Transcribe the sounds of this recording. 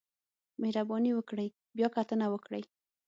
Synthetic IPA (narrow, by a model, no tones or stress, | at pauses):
mehɾabɑniwəkɽəj | bjɑkat̪ənawəkɽəj